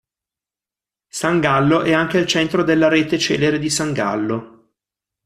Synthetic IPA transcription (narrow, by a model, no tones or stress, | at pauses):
saŋɡalːoʔɛaŋk̟eilt͡ʃɛnt̪ɾod̪elːaɾeːt̪et͡ʃɛ̰ːleɾed̪isaŋɡa̰lːo